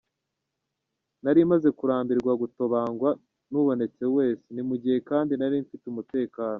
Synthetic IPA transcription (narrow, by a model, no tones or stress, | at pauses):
naɾimaze̞kuɾaːmbiɾɡwaɡutoβaːŋɡwa | nuβo̞ne̞t͡se̞we̞ːsenimuɟihe̞kaːndinaɾiɱfitumute̞ːkaːno